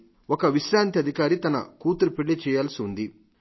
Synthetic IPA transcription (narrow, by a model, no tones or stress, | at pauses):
ɔkɐʋiʃɾaːnt̪iɐd̪ʱikaːɾit̪ɐnɐ̰kuːt̪uɾupeɭːit͡ʃɛːjaːlɐsiund̪i